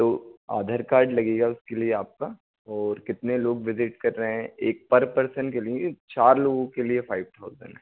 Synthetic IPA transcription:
t̪oːa̰ːd̪ʱəɾkaːɾɖlɐɡeːɡaʊskelieaːp̚ka | ɔːɾkɪt̪neloːɡʋɪzɪʈ̚kɐɾːəɦɛ̃eːk̚pɐɾpɐɾsəɳkeliet͡ʃaːɾloːɡõkeliefaːɪʋt̪ʰaʊzə̰̃ɳɦɛ

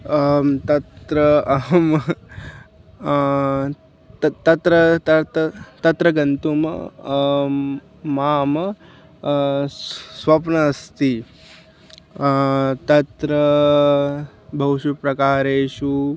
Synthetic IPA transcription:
t̪ɐt̪ɾəm | t̪ɐt̪ɾət̪ɐt̪t̪ɐt̪ɾɐɡɐnt̪um̰ | mam | sʋapnɐːst̪i | t̪ɐt̪ɾə | bʱɐwɕupɾɐkaːɾeːɕu

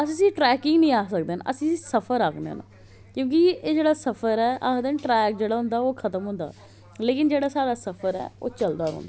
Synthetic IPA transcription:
əsĩːsĩːʈɾɛːkɪŋɡnĩːaːsək̚d̪eːn̰ːʔəsĩːisəpʰəɾaːknḛːna̰ | kjõːk̬ieːd͡ʒeːɽaːsəpʰəɾɛːʔa̰ːkd̪eːnʈɾɛːk̚d͡ʒeːɽaːɦʊ̃nd̪aːoːkʰət̪əmɦʊ̃nd̪a̰ː | leːkɪnd͡ʒeːɽaːsaːɽaːsəpʰəɾɛ̰ːo̰ːt͡ʃəld̪aːɾo̰ːnd̪ː

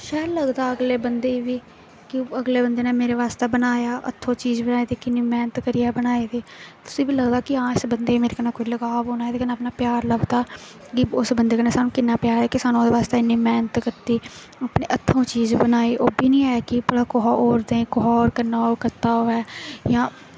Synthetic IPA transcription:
ʃɛːɾləɡd̪aːəɡleːbənd̪eːʋiː | kɪəɡleːbənd̪eːnẽːmeːɾeːʋaːst̪eːbənaːjaːʔə̰t̪ʰːõːt͡ʃiːzbənaːeːd̪iːkɪnːiːmɛːnət̪kəɾiːɛːbənaːeːd̪iːt̪ʊ̥sĩːbiːləɡd̪aːkɪãːɪsbənd̪eːmeːɾekənaːkoːiləɡaːʋɦoːnaːɛt̪eːkənaːpnaːpjaːɾləɡd̪aː | kɪʊsbənd̪eːkəneːsaːnũːkɪnːaːpjaːɾɛːkɪsaːnũd̪eːʋaːst̪eɪnːĩːmɛːnət̪kəɾt̪iː | aːpneːʔət̪ʰːõːt͡ʃiːzbənaːeːʔoːbiːnĩːaːakɪpɽaːkoɦaːʔoːɾd̪ẽːkoɦɔːɾkəɾnaːoːkəɾt̪aːoːɛːjãː

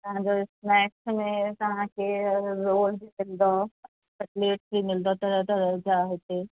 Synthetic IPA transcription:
t̪ɐɦãd͡ʒoɪsmɛːksmẽt̪ɐɦãkeɾoːlbʱimɪld̪o | pɐʈleːʈ̚bʱimɪld̪ot̪ɐɾət̪ɐɾd͡ʒaːɦet̪e

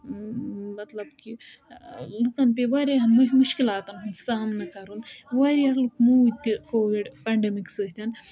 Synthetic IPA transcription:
mɐt̪lɐbki | lukɐnp̬eʋaɾiɦɐnmmuʃkilaːt̪ɐnɦɐnsaːmnɐkɐɾunʋɐɾiɐɾlukmuut̪ʲːikoːʋiɖpɐːɳɖemiksəːt̪ʲan

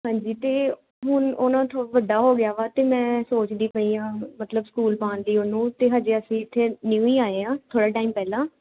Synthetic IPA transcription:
ɦãːɲd͡ʒiːt̪eː | ɦʊnoːnãːt̪ʰoaʋəɖaːɦoːɡɪjaːʋaːt̪eːmɛ̃ːsoːt͡ʃd̪iːpəiːãːmət̪ləbskuːlpãːnd̪iːoːnũːt̪eːɦaːd͡ʒeːəsĩːɪt̪ʰːeːnjuːiːaːeːãːt̪ʰoːɽaːʈaːiːmpɛːlãː

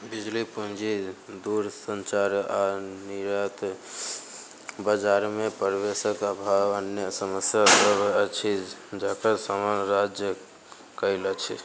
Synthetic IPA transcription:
bid͡ʒlipuɦd͡ʒid̪uɾsənt͡ʃaɾaniɾət̪ | bəd͡ʒaɾmepəɾʋesəkəbʱaʋənjəsəməsjasəbət͡ʃʰid͡ʒakəsamanɾad͡ʒjə | kəilət͡ʃʰi

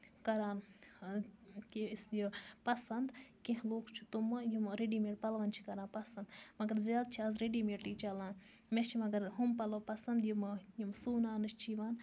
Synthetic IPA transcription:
kɐɾaːn | kisjipɐsɐnd̪kẽɦloːkt͡ʃʰu̥t̪umɨjimɾeɖiːmiɽpɐlʋɐnt͡ʃʰi̥kɐɾaːnpɐsɐnd̪mɐɡɐɾzjaːl̚t͡ʃʰiɐzɾeɖiːmiʈʈiːt͡ʃɐlãːn | met͡ʃʰimɐɡɐɾɦumpɐlowpɐsɐnd̪jimjimsuːnaːnɨt͡ʃt͡ʃʰiʋaːn

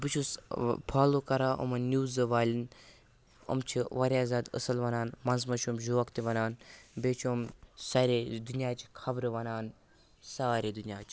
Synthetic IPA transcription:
bɨt͡ʃʰuspʰaːlokɐɾaːʔɐ̰mɐnʲuːzɨʋaːlʲin | ɐ̰mt͡ʃʰiʋɐɾʲaːzaːd̪ə̰sɐlʋɐnaːnmɐnzmɐt͡ʃʰumʒoɐkt̪iʋɐnaːnbeːt͡ʃʰomsaɾeːd̪unjaːt͡ʃikʰɐbɾɨʋɐnaːn | saːɾeːd̪unijaːt͡ʃi̥

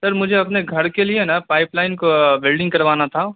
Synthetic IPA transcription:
sɐɾmʊd͡ʒʱeɐpneɡʱɐɾkelienapaːɪplaːɪnkobɛlɖɪ̃ŋɡkɐɾʋaːnat̪ʰa

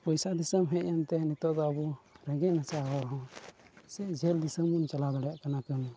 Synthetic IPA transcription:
pɔjsad̪isəmɦɛ̃ʔant̪ɛnit̪ɔʔd̪ɔabuɾɛŋɡɛnat͡ʃaɡɔɾɦɔ̃ | sɛʔd͡ʒɛld̪isəmunt͡ʃalab̪aɽɛjaʔkanakəna

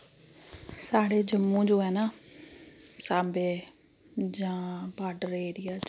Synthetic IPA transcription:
saːɽeːd͡ʒəmːũːd͡ʒoːɛːnaː | saːbeː | d͡ʒãːbaːɖəɾeːɾɪjaː

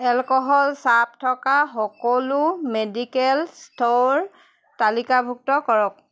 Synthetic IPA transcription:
ɛlkɔɦɔlsap̚tʰɔkaxɔkɔlʊmedikɛlstʰoɹ | talikabʱuk̚tɔkɔɹɔk̚

